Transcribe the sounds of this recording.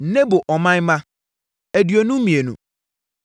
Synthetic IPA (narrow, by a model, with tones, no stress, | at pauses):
n̩˨ne˦bo˨ʔɔ˨mã˦ɲ˦mã˦ | æ˨dɥo˨nũ˦mĩ˨e˨nṵ̃˨